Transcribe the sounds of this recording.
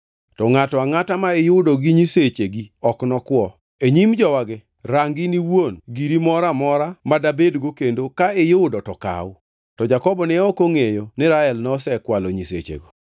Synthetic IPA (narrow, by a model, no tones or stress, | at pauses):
tɔŋatɔaŋatamaejʊʊdoɡiɲiset͡ʃeɡiɔknɔkwɔ | eɲimd͡ʒɔwaɡɛ | ɾaŋɡɪniwonɡiɾimɔɾamɔɾamadabedɡokendokaejʊʊdɔtɔka̰wʊ | tɔd͡ʒakɔbɔnɛɔkoŋejonɪɾaɛlnɔsɛkwaloɲisḛt͡ʃḛɡo